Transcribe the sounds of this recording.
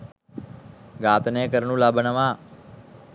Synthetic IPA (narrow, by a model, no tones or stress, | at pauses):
ɡaːt̪neːkəɾnũlaːbənəʋaː